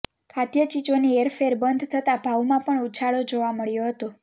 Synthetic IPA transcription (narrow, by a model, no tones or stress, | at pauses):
kʰat̪jət͡ʃid͡ʒonieɾfeɾbənd̪ʱt̪ʰət̪abʱawmãpəɳut͡ʃʰaɭod͡ʒoʋaməɭjoɦət̪o